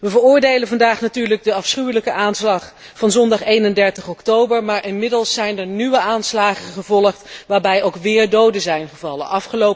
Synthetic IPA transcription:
ʋəvəɹʊːɹdejlənvɑndaːχnatyːɹləɡ̚dəɑfsχywləkəʔaːnslɑχ | fɑnzɔndɑχejnəndɛɹtəχɔktowbəɹmaːɹʔɪnmɪdəlˠsːɛjnəɹnyʋəʔaːnslaːχəχəvɔləχtʋaːɹbɛjowkʋɪːɹdowdəzɛjnχəvɑlə̰nʔɑfχəlow

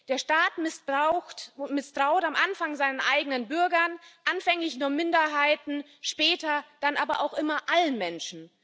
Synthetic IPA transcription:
d̥eːɐʃtaːtmɪsʊtmɪstʁ̥aʊtamʔanfaŋzaɪnənʔa̰ɪɡənənbʏɐɡɐnʔanfɛŋlɪçnuːɐmɪndɐɦaɪtn̩ | ʃpɛːtɐd̥anʔaːbɐʔaʊxʔɪmɐʔalənmɛnʃn̩

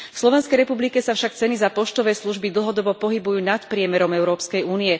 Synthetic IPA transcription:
fslɔʋɛnskɛjɾɛpublikɛsafʃakt͡sɛnizapɔʃt̪ɔʋɛːsluʒbid̪l̩ˠɦɔd̪ɔbɔpɔɦibujuːnat̪pɾɪɛmɛɾɔmɛʊɾɔːpskɛjuːniɛ

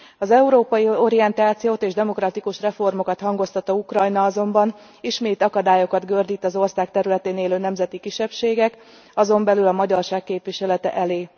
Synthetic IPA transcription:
ɒzɛuɾoːpɒjio̞ɾijɛnt̪aːt̪sijoːt̪eːʒd̪ɛmo̞krɒt̪ikuʃrɛfo̞rmo̞kɒt̪hɒŋɡo̞st̪ɒt̪ɒukrɒjnɒɒzo̞mbɒn | iʃmeːt̪ɒkɒd̪aːjo̞kɒd̪ɡørd̪iːt̪ːɒzo̞rsaːk̚t̪ɛɾylɛt̪eːneːløːnɛmzɛt̪ikiʃːɛpʃeːɡɛk | ɒzo̞mbɛlylɒmɒɟɒrʃaːkːeːpʋiʃɛlɛt̪ɛ̰ʔɛleː

